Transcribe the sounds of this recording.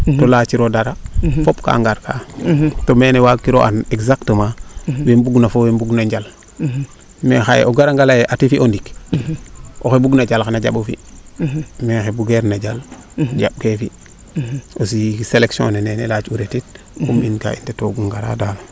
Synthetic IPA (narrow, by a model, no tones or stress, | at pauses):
tolat͡ʃiɾodaɾafopka̰ŋɡaɾkatomeːnewakːiɾoʔaneɡzaktəmawembuɡnafowembuɡnaɲɟal | mexajḛʔoɡaɾaŋɡalajeʔatifiʔondik | oxebuɡnad͡ʒalxanaɟaɓofḭ | mexebuɡeɾnaɟal | ɟa̰b̚kefi | os̬iseleksiõ̰nenenelat͡ʃuɾetit̚ | kuminka̰ːḭntetoɡuŋɡaɾa̰dalo